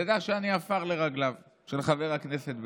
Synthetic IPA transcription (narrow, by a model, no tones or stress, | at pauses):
ad̪aχʃeaniafaʁle̞ʁaɡlav | ʃelχaveʁhakne̞se̞t̪̚b